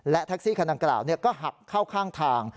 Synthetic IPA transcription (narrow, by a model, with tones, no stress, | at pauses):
lɛ˦˥ʔt̪ʰa˦˥k̚siː˥˩kʰa˧nda˧ŋkla̰ː˨˩wni˥˩ɐkɔː˥˩ɦa˨˩k̚kʰːaː˥˩wkʰaː˥˩ŋt̪ʰaː˧ŋ